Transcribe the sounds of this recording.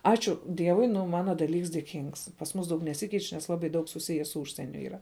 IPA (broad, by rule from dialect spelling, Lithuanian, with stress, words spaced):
ˈɑːt͡ʃʲʊ ˈdʲiɛʋʊɪ ˈnʊ ˈmɑːnɐ dɐˈlʲiːks dʲeːˈkʲiːŋks pɐs ˈmuːs ˈdɐʊk nʲɛˈsʲɪkʲɛɪt͡ʃ nʲɛs ˈlˠɑːbɐɪ ˈdɐʊk sʊˈsʲɪjɛ sʊ ˈuːʃʲsʲiɛnʲʊ iːˈrɐ